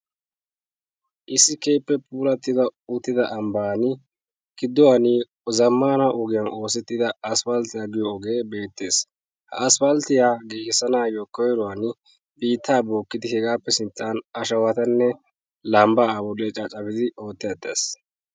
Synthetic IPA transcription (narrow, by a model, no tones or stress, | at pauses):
ʔɪsːɪkeːpːɛpʰuːlɐt̪ːɪd̪ɐʊt̪ːɪd̪ɐʔɐmbaːnɪ | kɪd̪ːɔwanɪ | zɐmːaːnaʔɔɡɪjɐnʔo̞ːsɛt̪ːɪd̪ɐɐsfɐlt̪ɪjaːɡɪjɔɔɡeːbe̞ːt̪ːe̞ːs | hɐ̰ɐsfɐlt̪ɪjaːɡeːhɪsɐnaːjɔkɔjɾɔwan | biːt̪ʰːaːbo̞ːkːɪd̪ɪhɛɡaːpːɛsɪnt͡sʼːaːnɐʃɐwɐt̪ɐnːɛ | lɐmbaːɐbɔlet͡ʃʼɐt͡ʃʼːɐbɪd̪ɪo̞ːt̪ːɪjɐt̪ːe̞̰ːs